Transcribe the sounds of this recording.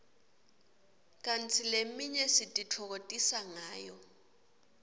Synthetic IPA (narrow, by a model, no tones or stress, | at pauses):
kʼan̩t͡sʰilem̩miɲɛsitʼitʰɔk̬otʼisaŋaːjɔ